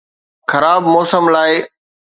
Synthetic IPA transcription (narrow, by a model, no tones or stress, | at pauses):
xɐɾaːbmɔːsəmlaːɪ